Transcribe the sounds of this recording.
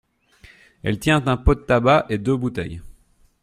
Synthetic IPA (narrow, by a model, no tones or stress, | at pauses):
ɛ̰lt̪jɛ̃t̪ɛ̃pod̪t̪abaʔed̪øbut̪ɛ̰j